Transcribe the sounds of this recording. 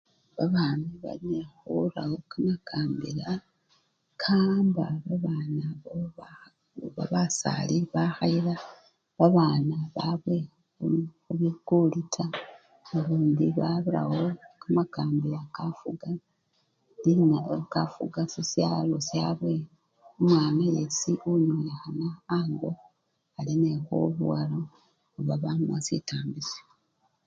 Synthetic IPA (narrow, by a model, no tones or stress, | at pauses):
βaβaːmiβa̰liexulawo̞kamakʰaːmbila | kʰaːmbaβaβaːnaβoβa | βaβasa̰liβaxaiɾa | βaβaːnaβaβwe̞ | uxuβikulitʰa | uβuːndiβaβila̰wo̞kamakaːmbiakafuɡa | linakafuɡasisjalosjaːβwe | omwaːnajesiuɲwexanaːŋɡo̞ | alinexo̰βṵwalo | uβaβamasḭtaːmbisjo